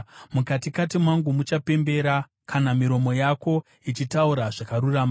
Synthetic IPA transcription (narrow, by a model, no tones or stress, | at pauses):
mukatikatimwaŋɡumut͡ʃape̞mbe̞ɾa | kʰanamiɾo̞mo̞jako̞ | it͡ʃitauɾaʐakaɾuraːma